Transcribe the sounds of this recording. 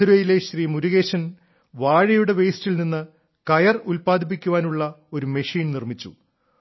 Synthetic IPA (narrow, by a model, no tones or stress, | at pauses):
ɾuɐjile̞ɕriːmuɾuɣe̞ːɕɐn | ʋaːɻɐjuɽe̞ʋejstilninːɨ | kɐjɐrulpaːd̪ʱip̬ːikʲːuʋaːnuɭːɐo̞ɾumeʂiːnnirmit͡ɕːṵ